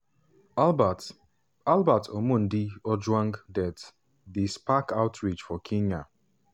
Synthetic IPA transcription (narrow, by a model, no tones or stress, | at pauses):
albatʰomʊ̃n̩diɔd͡ʒwãŋɡdɛt | dispakaʊtɹit͡ʃfɔkʰiɲa